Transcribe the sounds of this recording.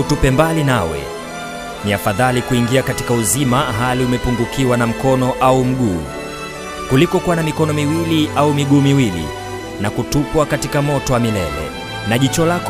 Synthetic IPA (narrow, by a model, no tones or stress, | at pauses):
utupɛmbalinawɛ̰ | niafaðalikuiŋɡiakati̥kauzimaɦaliumɛpuŋɡukʰiwanam̩kɔnɔʔaum̩ɠuː | kulikɔkuwanamikɔnɔmiwiliʔaumiɠuːmiwilḭ | nakutupwakatikamɔtɔwamilɛ̰lɛ̰ | naʄit͡ʃɔlak